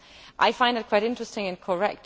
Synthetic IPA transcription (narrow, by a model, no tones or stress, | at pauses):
ʔaɪfãɪ̃ndɨt̚kʰw̥aɪɾɪ̃ntɹ̥ɨstɪ̃ŋɨ̃nkʰə˞ɛk̚t